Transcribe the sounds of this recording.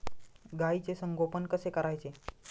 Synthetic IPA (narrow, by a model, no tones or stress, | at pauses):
ɡait͡sesəŋɡʱopənkəsekəɾajt͡ʃe